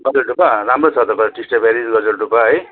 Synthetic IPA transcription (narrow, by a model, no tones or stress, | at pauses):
ɡʌd͡zʌlʈupaɾamrot͡sʰʌt̪ʌkʌɾʈisʈabʱaɾid͡zɡʌd͡zʌlɖupaɦʌj